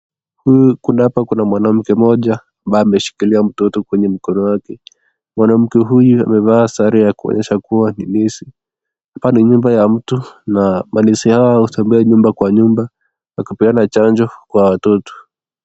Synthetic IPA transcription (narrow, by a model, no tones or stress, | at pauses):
hujukundaapakunamwanam̩kɛmɔʄa | ambaɛamɛʃi̥kiliam̩tɔtɔkwɛɲɛm̩kɔnɔwakɛ | mwanam̩kɛɦujua̰mɛvaːsaɾijakuɔ̰ɲɛʃakuwaninisi | apaniɲumbajam̩tunamanisihawauθambuɛɲumbakwaɲumba | jakupiɡanat͡ʃaɲd͡ʒɔkwawatɔtɔ̥